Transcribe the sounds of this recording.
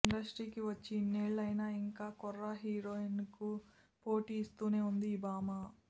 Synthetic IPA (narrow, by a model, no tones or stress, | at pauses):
iɳɖɐsʈɾiːkiʋɐt͡ʃːiːnːeːɭːɐjnɐiŋkaːkɔrːɐɦiːɾoːinku | po̞ːʈiːst̪uːne̞ːund̪iːbaːma